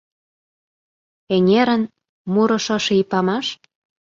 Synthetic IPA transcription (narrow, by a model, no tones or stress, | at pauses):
eŋʲeɾə̆n | muɾɤ̆ʃɤ̆ʃeipɑmɑʃ